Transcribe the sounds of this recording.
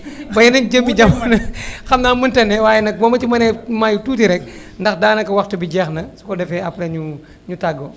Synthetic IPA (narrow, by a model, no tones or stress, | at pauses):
bɐjɛnɐnd͡ʒəmbiɟɐmɐnɐxɐmnaːməntɐnɛwaːjɛnɐk̚bɔmɐt͡ʃimɐnɛmajutuːtiɾɛk̚ | ndɐxdaːnɐkɐwɐxtɐbiɟɛːxnɐsu̥kɔdɛfɛɐplɐɲu | ɲutɐɡːo